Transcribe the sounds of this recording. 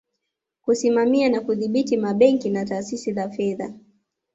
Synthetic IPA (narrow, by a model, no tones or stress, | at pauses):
kusimamianakuðiɓitimaɓɛŋkinataːsisizafɛða